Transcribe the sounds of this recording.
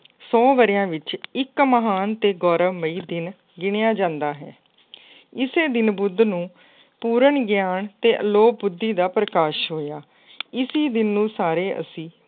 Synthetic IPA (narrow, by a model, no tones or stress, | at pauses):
sɔːʋəɾɪjãːʋɪt͡ʃɪkməɦaːnt̪eːɡɔːɾəmʋəiːd̪ɪn | ɡɪɳɪjaːd͡ʒãːnd̪aːɦɛ̰ː | ɪseːd̪ɪnbʊd̪nũː | puːɾəɳɡjaːɳt̪eːʔəloːp̚bʊd̪ːiːd̪aːpɾəkaːʃɦoːjaː | ɪsiːd̪ɪnːũːsaːɾeːʔə̰sĩː